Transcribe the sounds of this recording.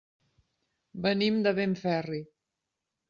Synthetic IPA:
bənimd̪əβeɱfɛri

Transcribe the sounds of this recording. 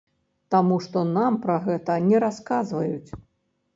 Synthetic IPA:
t̪amuʂt̪ɔnampɾɐɣɛt̪ɐnʲɛɾaskazvɐjut͡sʲ

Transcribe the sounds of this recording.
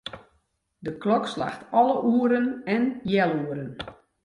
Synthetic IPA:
dəklɔksla̰xtɔlˠəʔuəɾənɛnjɛlˠuːəɾən

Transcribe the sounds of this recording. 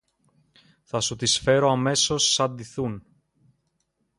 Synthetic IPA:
θɐsut̪isfe̞ɾo̞ɐme̞so̞sːɐnd̪iθun

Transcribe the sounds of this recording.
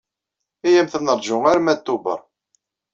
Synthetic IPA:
ijæmθənəɾˤd͡ʒʊŋaɾmæt̪ːubə̰ɾˤ

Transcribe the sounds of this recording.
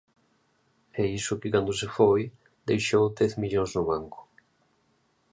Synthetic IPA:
ɛisʊkɪkand̪ʊsefoj | d̪ejʃowd̪ɛθmiʎoŋznʊβaŋkʊ̥

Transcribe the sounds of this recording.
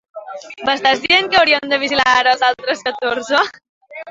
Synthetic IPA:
məst̪azðieŋkəwɾiənd̪əβ̞izilaɾəzalˠt̪ɾəskət̪oɾzə

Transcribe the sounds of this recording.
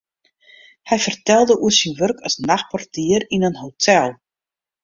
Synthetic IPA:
hɛjfərtɛlˠdəʔuəsinʋørkʰəsnaxpɔrtiərinənɦotʰɛlˠ

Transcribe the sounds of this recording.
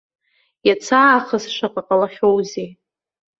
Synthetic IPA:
jat͡sʰaːχəsʂʷaqʼaqʼalaχʲo̞wze

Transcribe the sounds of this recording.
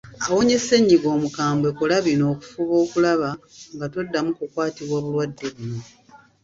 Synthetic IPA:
awo̞ɲe̞se̞ɲːiɡo̞ːmukaːmbwe̞kulaβino̞ːku̥fuβo̞ːkulaβa | ŋɡato̞dːamukukwaːtiβwaːβulwadːe̞βuno̞

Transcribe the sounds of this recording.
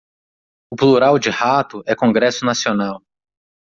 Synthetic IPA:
ʊpluɾawd͡ʒɪhat̪ʊɛkõŋɡɾɛsʊnasionaw

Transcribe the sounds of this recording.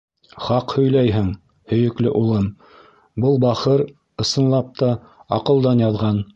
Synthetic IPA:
χɑqhɵ̆jlæjɦɘŋ | hɵ̆jɵ̆klɘʔulˠɤm | bɤlˠbɑχɤɾ | ɤ̆sɤ̆nlˠɑp̚t̪ɑ | ɑqɤ̆lˠd̪ɑnjɑðʁɑn

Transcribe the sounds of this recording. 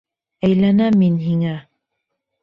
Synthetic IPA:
æjlænæmːinɦiŋæ

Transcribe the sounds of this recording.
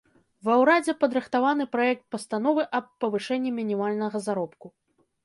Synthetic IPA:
vɐwɾad͡zʲɛpɐd̪ɾɨxt̪avanɨpɾajɛk̚t̪̚pɐst̪an̪ɔvɨʔɐpːɐvɨʂɛnʲːɛmʲinʲimalʲnɐɣɐzaɾɔpku

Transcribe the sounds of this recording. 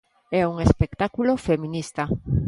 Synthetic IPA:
ɛuŋespekt̪akulofemĩnist̪a

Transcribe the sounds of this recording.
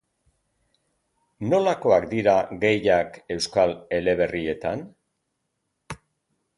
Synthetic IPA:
no̞lako̞akd̪iɾaɣe̞jake̞wskale̞le̞β̞e̞rie̞t̪an

